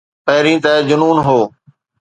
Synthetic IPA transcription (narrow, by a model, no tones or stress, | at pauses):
pəɦɾĩːt̪ɛːd͡ʒʊnuːnɦoː